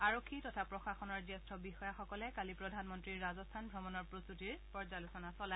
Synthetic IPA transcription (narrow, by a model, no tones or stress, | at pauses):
aɹokʰːitɔtʰapɹɔxaxɔnɔɹzɛstʰɔbixɔjaxɔkɔlɛkalipɹɔdʱanmɔntɹiɹːazɔstʰanbʱɹɔmɔnɔɹpɹostutiɹpɔɹzalusɔnasɔla